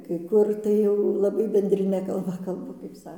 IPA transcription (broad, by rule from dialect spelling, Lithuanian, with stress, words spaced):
kɐɪ ˈkʊr tɐɪ ˈjɛʊ lˠɐˈbɐɪ bʲɛnʲdʲrʲɪˈnʲɛ kɐlˠˈbɐ kɐlˠˈbɐ kɐɪp ˈsɐ